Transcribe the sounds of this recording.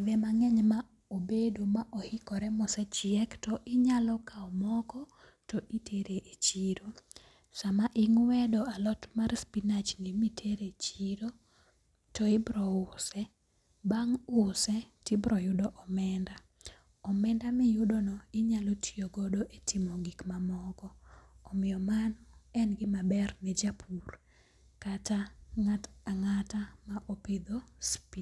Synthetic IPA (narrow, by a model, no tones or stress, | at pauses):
vɛmaŋɛɲma | obedomaʔɔhɪkɔɾɛmɔsɛt͡ʃɪɛktɔʔɪɲalɔkaɔmɔkɔ | tɔʔitʰeɾeʔet͡ʃiɾo | samaʔɪŋwɛdɔalɔtmarspinat͡ʃŋimitʰeɾet͡ʃiɾo | tɔɪbɾɔʊsɛ | baŋʊsɛtibɾɔjʊdɔʔɔmɛnda | ɔmɛndamɛjʊdonɔɪɲalotʰijoɡɔdoʔetʰɪmɔɡikmamɔɡɔːmɪjɔmanɛnɡɪmabɛrmɛd͡ʒapʰur | kataŋataŋatamaʔoped̪ospi